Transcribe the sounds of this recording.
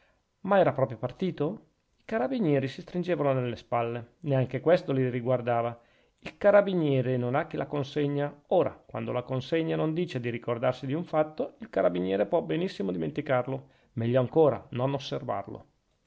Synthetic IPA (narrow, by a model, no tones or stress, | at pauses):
maɛːɾapɾɔːpɾjopart̪iːt̪o | ikaɾabinjɛːɾisist̪ɾind͡ʒeːvanonelːespalːeneaŋk̟ekwest̪oliriɡward̪aːva | ilkaɾabinjɛːɾenonak̟ːilʔakonseɲːaoːɾa̰kwa̰nd̪olakonseɲːanond̪iːt͡ʃed̪iɾikord̪arsid̪iuɱfat̪ːoilkaɾabinjɛːɾepwɔbenisːimod̪iment̪ikarlo | mɛʎːoaŋkoːɾa̰nonosːerva̰rlo̰